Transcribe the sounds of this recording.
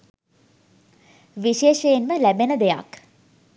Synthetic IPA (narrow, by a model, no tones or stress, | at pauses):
ʋiʃeːʃejenməlæbenəd̪eja̰k